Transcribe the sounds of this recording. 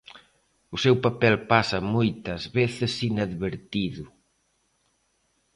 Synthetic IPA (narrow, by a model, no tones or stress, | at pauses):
ʊsewpapɛlpasɐmojt̪ɐzβeθɪsinaðβeɾt̪iðʊ